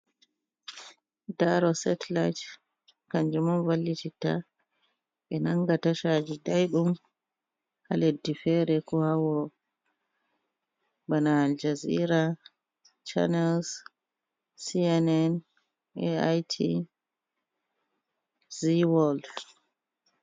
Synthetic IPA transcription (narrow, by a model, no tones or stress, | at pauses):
daɾɔsɛtlajt | kaɲd͡ʒumɔnvalːitita̰ | ɓɛnaŋɡataʃad͡ʒidajɗum | haledːifɛɾɛkɔhawɔ | banaːld͡ʒaziɾa | t͡ʃa̰nɛls | siɛnɛn | ɛajtʰi | ziwɔld